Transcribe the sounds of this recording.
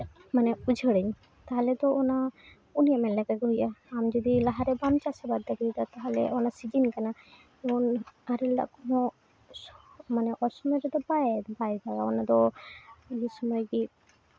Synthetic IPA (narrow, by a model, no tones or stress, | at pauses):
manɛud͡ʒʱəɽəɲ | t̪aɦalɛt̪ɔɔna | unijamɛnlɛɡakɛɦujʔaamd͡ʒɔd̪ilaɦaɾɛbamt͡ʃasabad̪̚ɛkʰijt̪at̪aɦalɛ̰ʔɔnasid͡ʒinkana | ɔnaɾilda̰ʔkɔnɔ | manɛʔɔɾsɔmɔjɾɛd̪ɔbajd̪bajb̪aɡaɔnat̪ɔ | d͡ʒisɔmɔjki